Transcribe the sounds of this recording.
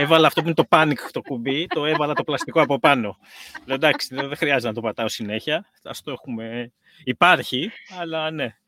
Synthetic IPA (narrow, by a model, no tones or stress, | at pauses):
evɐlɐːft̪ouinet̪o̞pɐnikt̪o̞kubit̪o̞e̞vɐlɐt̪o̞plɐst̪ikoɐpo̞pɐno̞ | le̞od̪ɐksi̥ðoðexɾiɐzet̪enɐt̪o̞pɐt̪ɐo̞sine̞çɐ | ɐ̰st̪oe̞xume̞ | ipɐɾçiɐlɐne̞